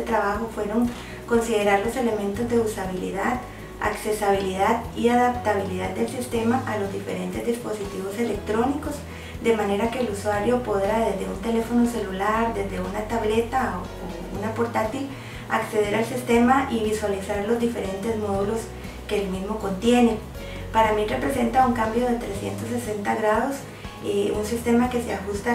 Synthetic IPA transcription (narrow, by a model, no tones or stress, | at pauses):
et̪ɾaβaxo̞fwe̞ɾo̞ŋ | ko̞nsið̞e̞ɾaɾlo̞se̞le̞mẽ̞nt̪o̞zd̪e̞usaβilḭðað | a̰kse̞saβiliðaðiaðap̚t̪aβiliðad̪d̪elsist̪e̞maʔalo̞zd̪ife̞̰ɾe̞nt̪e̞zd̪ispo̞sit̪iβo̞se̞lek̚t̪ɾo̞niko̞s | d̪e̞mane̞ɾake̞ːluswaɾjo̞po̞ðɾaðe̞zd̪e̞unt̪e̞le̞fo̞no̞se̞lulaɾd̪e̞zd̪e̞unat̪aβle̞t̪ao | oeṵnapo̞ɾt̪at̪il | a̰kse̞ð̞e̞ɾalsist̪e̞maʔiβiswalisaɾlo̞zd̪ife̞ɾe̞nt̪e̞zmo̞ðulo̞s | ke̞ːlmizmo̞ko̞nt̪je̞ne̞ | paɾamire̞pɾe̞se̞nt̪auŋkambjo̞ðe̞t̪ɾe̞sje̞̰nt̪osese̞nt̪aɣɾaðo̞s | eunsist̪e̞make̞seaxust̪a